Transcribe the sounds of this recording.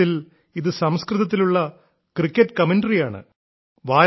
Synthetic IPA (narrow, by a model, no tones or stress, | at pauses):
il | iðɨsɐmskrɨðɐt̪̬ːiluɭːɐ | krikːɐʈːkɐmɐnɖrijaːɳɨ̰ | ʋaː